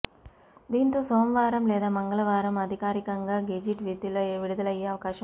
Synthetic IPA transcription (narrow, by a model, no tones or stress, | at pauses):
d̪iːnt̪o̞ːsoːmʋaːɾɐmlɛːd̪aːmɐŋɡɐɭɐʋaːɾɐmɐd̪ʱikaːɾikɐŋɡaːɡed͡ʒiʈʋid̪lʋiɽud̪ɐlɐjːeːɐʋɐkaːʃɐ